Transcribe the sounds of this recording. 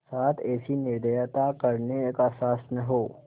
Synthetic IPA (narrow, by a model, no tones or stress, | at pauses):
saːt̪ʰɛːsinɪɾd̪ejt̪akɐɾneeːkaːsaːsnɐɦoː